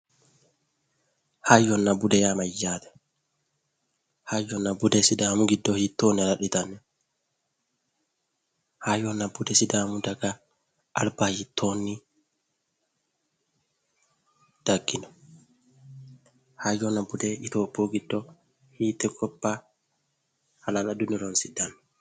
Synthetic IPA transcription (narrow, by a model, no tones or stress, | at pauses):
hajːɔnːɐbud̪ɛjaːmɐjːaːt̪ɛ̥ | hajːɔnɐbud̪ɛsɪd̪aːmuɡɪd̪ːɔhit̪ːoːnɾɐɗɪt̪ɐnːɛ | hajɔnːɐbʊd̪ɛsɪd̪aːmud̪ɐɡa | ʔa̰lbahit̪ʰːonːi | d̥aɡːinɔ | hajɔnabudɛʔit̪ɔboɡidːɔ | hiːt̪ɛɡɔbːa | halanadunilɔnsidanːɛ